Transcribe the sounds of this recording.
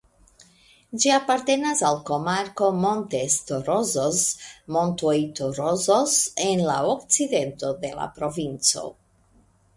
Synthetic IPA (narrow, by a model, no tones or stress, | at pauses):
d͡ʒiapaɾt̪e̞nasalko̞maɾko̞mont̪est̪oɾozosmont̪ojt̪oɾozosenlaokt͡sid̪e̞nt̪o̞d̪e̞la̰pɾo̞vint͡so̰